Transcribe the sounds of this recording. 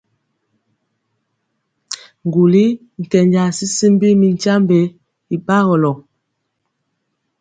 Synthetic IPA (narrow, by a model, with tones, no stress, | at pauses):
ŋ̩˨ɡu˨li˦ | ŋ̩˨kɛ˨ɲd͡ʒa˨si˦si˦m˦bi˦mi˨n˨t͡ʃa˦mbe˨˦ | i˨ɓa˦ɣɔ˨lɔ˨